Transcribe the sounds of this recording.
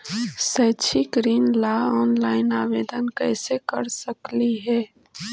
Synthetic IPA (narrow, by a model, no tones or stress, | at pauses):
səːt͡ʃʰiɡɾiːnlaɔːnlaːɪnaːʋeːd̪ənkɛ̰ːsekəɾsəkliɦɛː